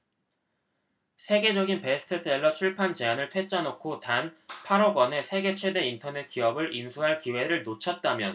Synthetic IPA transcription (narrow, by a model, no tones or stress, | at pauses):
sʰe̞ɡe̞d͡ʑʌɡinpe̞sʰɯ̥tʰɯs͈e̞ɭːʌt͡ɕʰuɭpʰant͡ɕe̞anɯɭtʰwe̞t͡ɕ͈anokʰotanpʰaɾʌɡwʌne̞sʰe̞ɡe̞t͡ɕʰwe̞de̞intʰʌne̞t̚k͈iʌbɯɭʔinsʰuɦaɭkiwe̞ɾɯɭnot͡ɕʰʌt̚t͈amjʌn